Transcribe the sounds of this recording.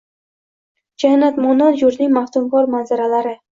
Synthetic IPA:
d͡ʒanːat̪mɒnanjʊɾnɪŋmaht̪ʊmkɒɾmanzaɾalaɾɪ

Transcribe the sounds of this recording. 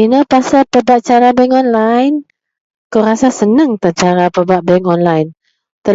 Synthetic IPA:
inəpasapəbaʔ̚t͡ʃaɾabɛŋɔnlajn | koɾasasənəŋt̪ət͡ʃaɾapəbaʔ̚bɛŋɔnlajn | t̪ə

